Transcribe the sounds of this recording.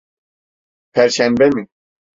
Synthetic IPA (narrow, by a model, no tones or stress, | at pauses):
pʰæɾʃæmbɛmi